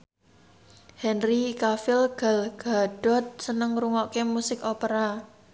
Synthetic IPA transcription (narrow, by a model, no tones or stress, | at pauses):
hɛnrikafɪlɡ̥alɡ̥a̤ɖ̥ɔ̤t̪̚sənəŋɾuŋɔʔkemusɪkopəɾa